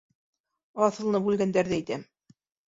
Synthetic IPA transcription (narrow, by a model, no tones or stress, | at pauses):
ɑθɤ̆lˠnɤbʉlɡænd̪æɾðæijt̪æm